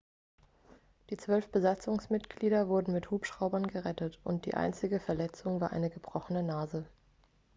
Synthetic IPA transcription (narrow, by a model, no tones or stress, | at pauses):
d̥iːt͡sv̥œlfb̥əzat͡sʊŋsmɪtɡ̥liːɾɐvʊɐdn̩mɪthuːpʃʁ̥aʊbɐnɡəʁɛtətʔʊnt̚d̥ḭːʔa̰ɪnt͡sɪɡəfɛɐlɛt͡sʊŋvaːɐʔa̰ɪnəɡəbʁ̥ɔχənənaːzə